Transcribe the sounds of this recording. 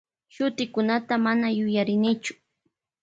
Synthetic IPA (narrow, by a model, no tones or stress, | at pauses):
ʃʊt̪ɪkʊnat̪amanajʊjaɾɪnɪt͡ʃʊ̥